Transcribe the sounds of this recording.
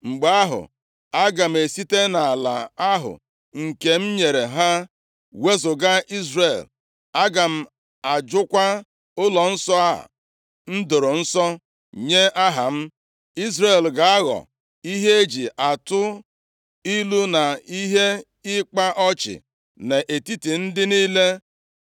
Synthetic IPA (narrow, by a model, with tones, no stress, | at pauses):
ŋ͡m̩˨ɡ͡ba˦ɦʊ̰˨ | a˦ɡa˨m̩˨e˨si˦te˦na˨a˨la̰˨a˦ɦʊ̰˨ | ŋ̩˨ke˨m̩˦ɲe˨ɾe˨ɦa˦ | we˦zʊ˨ɡa˦i˦zre˨l | a˦ɡa˨m̩˨ | a˨d͡ʒʊ˦kʷa˦ | ʊ˦lɔ˨n̩˦sɔ˦a˦ɦa̰˨ | n̩˦dʊ˨ɾʊ˨n̩˦sɔ˦ | ɲe˦ʔa˦ɦa̰˨m̩˦ | i˦zɾe˨lɡa˨a˦ɣɔ̰˨ | i˦ɦe˦e˦d͡ʒi˨ʔa˨tʊ˦ | i˦lu˦na˨i˦ɦe˦ | ɪ˦k͡pa˦ʔɔ˦t͡ʃɪ̰˨ | ne˨ʔe˨ti˦ti˨n̩˦dɪ˦niː˦le˦